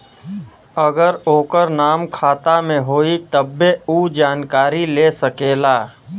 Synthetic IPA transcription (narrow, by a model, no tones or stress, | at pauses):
əɡəɾoːkəɾnaːmkʰaːt̪amẽɦoːit̪əbːeuːd͡ʒaːnkaːɾileːsəkeːlaː